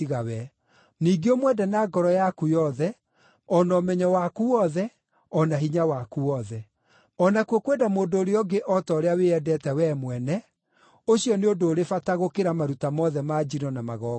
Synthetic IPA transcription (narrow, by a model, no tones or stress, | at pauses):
iɣawɛ | niːɡeomwɛdanaːɡɔɾɔjakujɔðɛ | ɔnɔmɛɲɔwakuɔðɛ | ɔnaɦiɲawakuɔðɛ | ɔnakuokwedamoːndoːɾeɔɡeʔɔtɔoɾeaweɛdɛtɛwɛmwɛnɛ | oɕiɔneodoːɾefataɣokeɾamaɾutamɔðɛmad͡ʒinɔnamaɣɔ